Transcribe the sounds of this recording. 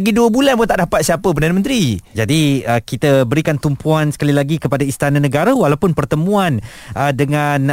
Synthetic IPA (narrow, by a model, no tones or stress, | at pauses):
ɡiduəbulanput̪aʔdapat̪̚siapəpərdanə̃mə̃nt̪ɾid͡ʒadiəkit̪əbəɾikant̪umpuansə̥kalilaɡikəpadaist̪anãnəɡaɾəwalawpʊnpərt̪əmũanʔədəŋan